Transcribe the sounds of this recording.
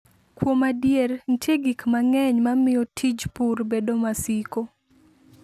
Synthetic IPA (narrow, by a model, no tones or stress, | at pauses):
kwomadjern̩tʰeɡikmaŋɛɲmamɪjɔtʰid͡ʒpurbedomasiko